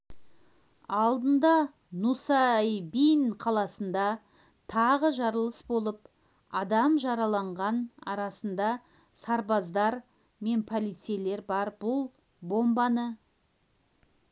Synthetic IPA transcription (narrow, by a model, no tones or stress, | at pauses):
ɑlˠd̪ənd̪ɑ | nusɑæjbijnqʰɑlˠɑsənd̪ɑ | t̪ʰɑʁəʒɑɾəlˠəsbo̞lˠəp | ɑd̪ɑmʒɑɾɑlˠɑɴʁɑnɑ̰ɾɑsənd̪ɑ | sɑɾbɑzd̪ɑɾ | me̞npʰolˠijt̪sele̞ɾbɑɾbʊlˠ | bo̞mbɑnə